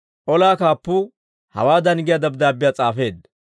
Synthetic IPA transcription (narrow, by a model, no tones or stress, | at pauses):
ʔɔlaːkaːpːʊ | hɐ̰waːd̪ɐnɪɡɪjad̪ɐbd̪aːbːɪjat͡sʼaːfe̞ːd̪